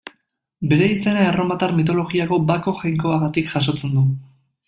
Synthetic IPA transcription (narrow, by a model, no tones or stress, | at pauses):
be̞ɾe̞ise̞naero̞mat̪aɾmit̪̬o̞lo̞ɣiaɣo̞bako̞ʝajŋko̞aɣat̪ikʝaʃ̬o̞t͡se̞nd̪u